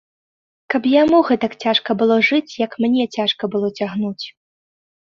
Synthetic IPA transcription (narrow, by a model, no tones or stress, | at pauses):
kɐpjamuɣɛt̪ɐkt͡sʲaʂkɐbɨlˠɔʐɨt͡sʲjɐkmnʲɛt͡sʲaʂkɐbɨlˠɔt͡sʲaɣnut͡sʲ